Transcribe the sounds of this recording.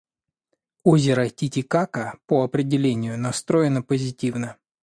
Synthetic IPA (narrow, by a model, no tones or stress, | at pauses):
ozʲɪɾətʲɪtʲɪkakəpəɐpɾʲɪdʲɪlʲenʲɪjʊnɐst̪ɾo̞jɪnəpəzʲɪtʲivnə